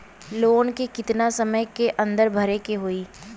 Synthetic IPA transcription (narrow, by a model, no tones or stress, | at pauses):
loːnkekɪt̪nasɐməjkeʔɐ̃nd̪əɾbʱɐɾekeɦoiː